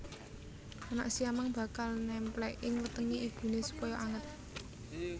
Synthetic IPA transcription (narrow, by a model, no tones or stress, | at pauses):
ana̰ʔsiamaŋb̥ä̤kalnɛmplɛʔɪŋwət̪əŋiʔib̥ṳnesu̥pɔjɔʔaŋət̪̚